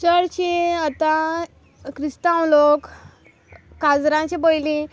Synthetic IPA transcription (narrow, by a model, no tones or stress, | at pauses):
t͡ɕəɾt͡ɕiat̪ã | kɾist̪awlok | ad͡zɾãt͡ɕibojlĩ